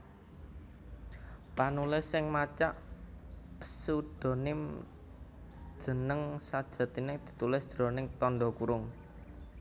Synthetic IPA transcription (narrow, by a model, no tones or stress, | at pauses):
panulɪsɪŋmat͡ʃaʔ | pə̥suɖ̥o̤nɪm | d̥ʒ̥ə̤nəŋsad̥ʒ̥ä̤t̪ined̪̥i̥̤t̪ulɪsd̥d̪̥ɾo̤nɪŋt̪ɔnɖɔkuɾʊŋ